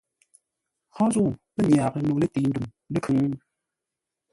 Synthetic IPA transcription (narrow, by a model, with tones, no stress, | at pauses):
hʰɔ̃˦zu˦˨pə˦ɲ˨a˨kə˦nu˨le˦ti˨˦ndu˨m | lə˦kʰɨ˨˦ŋ˦